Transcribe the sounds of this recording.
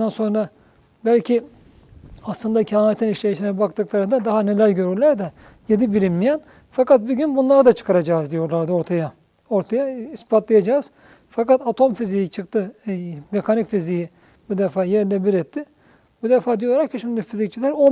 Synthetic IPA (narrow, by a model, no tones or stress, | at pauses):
d̪anso̞nɾa | bælʲcʰi | aslˠɯnd̪acʰaet̪ʰiniʃlʲejiʃinɛbakt̪ʰɯklˠaɾɯnd̪ad̪aɦane̞lʲælʲɟø̞ɾyɾlʲæɾd̪ɛ | je̞d̪ibiɾimmijɛn | fakat̪̚buɟynbunlˠaɾad̪at͡ʃʰɯ̥kʰaɾad͡ʒaːzd̪ijo̞ɾlˠaɾd̪ɯo̞ɾt̪ʰaja | o̞ɾt̪ʰajaispʰat̪lˠajad͡ʒaːz̥ | fakat̪at̪ʰo̞mfizijit͡ʃʰɯkt̪ʰɯme̞kʰanicfiziji | bud̪efaːjɛɾlɛbiɾɛt̪ʰːɪ | bud̪efaːd̪ijolˠaɾaɾcʰiʃimd̪ifizic̚t͡ʃʰilʲæɾo